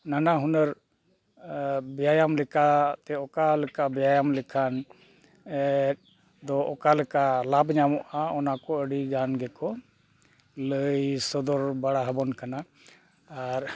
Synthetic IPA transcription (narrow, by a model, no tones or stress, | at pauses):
nanaɦunəɾ | bɛjajamlɛkat̪ɛɔkalɛkabɛjajamlɛkʰan | ɛt̚ | d̪ɔʔɔkalɛkalabɲamɔʔaɔnakɔəɽiɡanɡɛkɔ | ləjsɔd̪ɔɾbaɽaɦəbɔnkanaː | ɾ